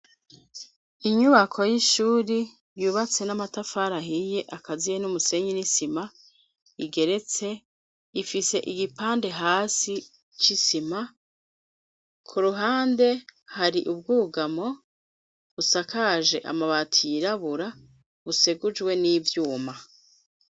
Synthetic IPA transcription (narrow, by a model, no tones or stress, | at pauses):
iɲuβakʰo̞jiʃuːɾi | juːβat͡se̞namatafaɾaɦije̞ʔakazijenumuse̞ɲinisima | iɡe̞ɾe̞t͡se̞ | ifise̞ʔiɡipaːnde̞ɦaːsi | t͡ʃisima | kʰuɾuɦaːnde̞haɾiʔubɡuːɡamo̞ | βusakaʒe̞̰ʔa̰maβatʰijiɾaβuɾa | βuseɡud͡ʒwe̞niːvjuːma